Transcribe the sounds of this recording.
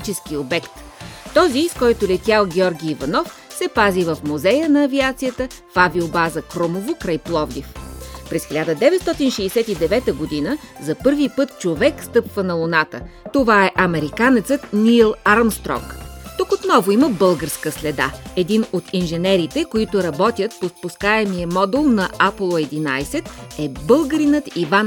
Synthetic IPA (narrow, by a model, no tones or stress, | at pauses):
t̪it͡ʃɛsk̟iobɛkt̪ | t̪ːɔziskɔjt̪ʊlɛt̪ʲjalˠɡʲɔɾɡʲiːvɐnɔfsɛpazivəfmuzɛjənɐːviat̪sijət̪ə | faviobazəkɾomovokɾajplˠɔvd̪ifpɾɛsxilʲad̪əd̪ɛvɛt̪st̪ɔt̪inʃɛsɛt̪id̪ɛvɛt̪əɡod̪inəzɐpɤɾvipɤt̪t͡ʃovɛkst̪ɤpvənɐlˠʊnat̪ə̰ | t̪ovaɛʔɐmɛɾikanɛt̪sət̪nʲilˠaɾmst̪ɾɔ̰kt̪ukot̪nɔvoiməbɤlˠɡəɾskəslɛd̪a̰ɛd̪inot̪inʒɛnɛɾit̪ɛkoit̪ʊɾɐbɔt̪ʲjət̪pospʊskaɛmijəmɔd̪ulˠnɐʔaplˠoɛd̪inajsɛt̪ɛbɤlˠɡəɾinət̪ivan